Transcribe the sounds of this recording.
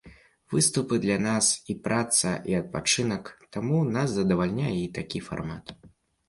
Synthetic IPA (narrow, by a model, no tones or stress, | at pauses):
vɨst̪upɨd̪lʲɐnasipɾʔat̪sɐ̰ʔiɐt̪̚pat͡ʂɨnɐkt̪amunaszɐd̪ɐvalʲnʲajɛit̪akʲifa̰rmat̪